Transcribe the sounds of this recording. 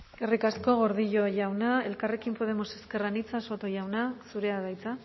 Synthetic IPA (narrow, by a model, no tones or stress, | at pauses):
erikasko̞ɣo̞ɾð̞iʎo̞jawnaelkare̞kimpo̞ð̞e̞mo̞se̞ske̞ranit͡saso̞t̪o̞jawnasuɾe̞aðajt͡sa